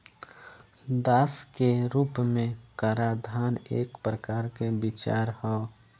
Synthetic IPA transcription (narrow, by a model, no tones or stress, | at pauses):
d̪aːskeɾuːpmẽkaːɾad̪ʱaːnḛːkpɾəkaːɾkebɪt͡ʃa̰ːɾhɔ